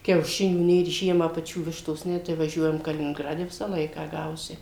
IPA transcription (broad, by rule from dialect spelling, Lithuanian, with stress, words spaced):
kʲɛʊˈʃʲɪnʲuː ˈnʲeːr ˈʒʲiɛmɑː pɐˈt͡ʃʲuː ˈʋʲɪʃtoːs ˈnʲɛ tɐɪ ʋɐˈʒʲuɔjɛm kɐlʲɪnʲɪŋˈɡrɑːdʲɛ ˈʋʲɪsɑː ˈlˠɐɪkɑː ˈɡɐʊsʲɪ